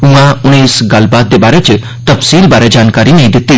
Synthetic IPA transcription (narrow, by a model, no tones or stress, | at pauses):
ũãʊɽ̃esɡɐlbaːt̪̚d̪ebaːɾɛt͡ʃ | t̪ɐfsiːlbaːɾɛd͡ʒaːnkaːɾineĩd̪ɪt̪ːi